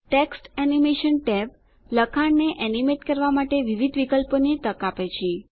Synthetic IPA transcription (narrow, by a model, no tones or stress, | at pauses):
ʈeksʈɛnimeʃənʈɛp | ləkʰaɳneʔɛnimeʈkəɾʋamaʈeʋiʋid̪ʱʋikəlponet̪əkapet͡ʃʰie